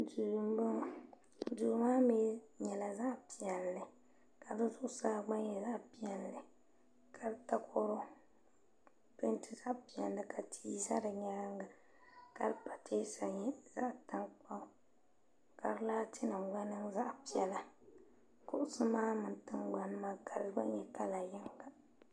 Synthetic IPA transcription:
du˨ɾu˨m˦bɨ˦ŋ˨ | duː˨˦maː˦meː˦ɲɛ˨la˨za˦ʔpi˨ɛ˨lːɨ˨ | ka˨dɨ˦zʊ˦ʔʊ˦saː˦ɡ͡ba˦ɲ˦ɛ˨za˦ʔpi˦ɛ˨nːɨ˨ | kʰa˨lta˦kʰo˦ɾo˦ | pɨ˦ntʰɨ˨za˦ʔpi˨ɛ˨nː˦ɨ˨kʰa˨tʰi˦sa̰˦dɨ˨ɲɛ˦ɾa˦ŋɡa˨ | ka˦lɨ˦pa˨tʰeː˦sa˨ɲɛ˦za̰˦ʔta˦ŋk͡pa˦ | ka˨ɾɨ˦laː˦tʰɪ˦nɨ˨ŋɡ͡ba˦nɨ˦ŋza˦ʔpi˨ɛ˨la˨ | kʊ˦ʔʊ˦sɨ˦maː˦mɨ˨n˦tɨ˦ŋɡ͡ba˦n˦ma˦ka˨ɾɨ˦ɡ͡ba̰˦ɲɛ˨ka˦la˨jɪ˦ŋɡa˦

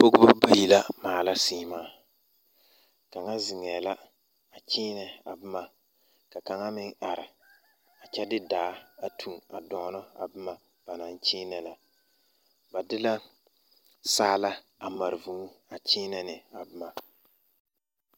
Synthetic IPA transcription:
po˦ɡʊ˦ba˦ba˦ji˨la˦maː˨la˦siː˦maː˦ | ka˨ŋa˦zɪ˨ŋɛː˨la˦ | a˨t͡ʃɪː˦nɛ˨a̰˨bɨ˦ma˨ | ka˨ka˨ŋa˦mɪ˦ŋa˨ɾɪ˨ | a˨t͡ʃɛ˦dɪ˦daː˨˦a˨tʰu˨ŋa˨dɔ˨˦nɔ˦a̰˨bɪ˦ma˨ | b̥a˨na˨nt͡ʃɪː˦nɛ˨la˨ | ba˨dɪ˦la˦ | saː˦la˦ | a˨ma˨ɾɪ˨vu˨˦a˨t͡ʃɪː˦nɛ˨nɪ˨a˨bɪ˦ma˨

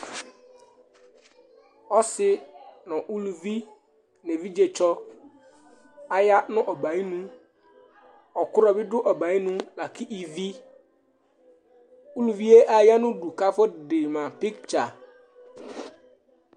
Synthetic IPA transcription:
ɔ˦sɪ˦nʊ̃˨ʔu˦lu˨vi˦ | nẽ˨vi˦d͡ʑe˨t͡ʃɔ˦ | a˨ja˦nʊ̃˦ʔɔ˨ba˨i˦nũ˦ | ɔ˨kʊ˦ɾɔ˨bɪ˦dʊ˦ʔɔ˨ba˨i˦nũ˦la˨kʰi˦ʔi˨vi˦ | u˦lu˨vi˦e˦ʔa˨ja˦nʊ̃˦du˨ka˦fɔ˦˨dɪ˨mã˨pi˦kt͡ʃa˨

